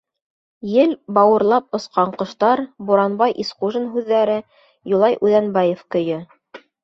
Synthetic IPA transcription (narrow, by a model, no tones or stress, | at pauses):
jɘlbɑwɤ̆ɾlˠɑp̚ŏsqɑɴqɤ̆ʃt̪ɑɾbuɾɑnbɑjʔisquʒɤ̆nɦʉðːæɾɘ | julˠɑjʔʉðænbɑjefkɵ̆jɘ